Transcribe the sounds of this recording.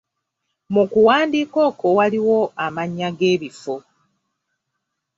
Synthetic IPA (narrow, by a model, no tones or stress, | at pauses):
mukuwaːndiːko̞ːkowaliwo̞amaɲːaɡe̞ːβifo